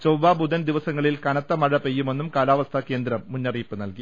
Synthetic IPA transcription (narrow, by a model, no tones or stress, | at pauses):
t͡ɕowʋaːbud̪ɐnd̪iʋɐsɐŋːɐɭilkɐɳɐt̪ːɐmɐɻɐpe̞jːume̞nːumkaːlaːʋɐst̪ʰɐke̞ːnd̪ɾɐmːunːɐriːpːɨnɐlki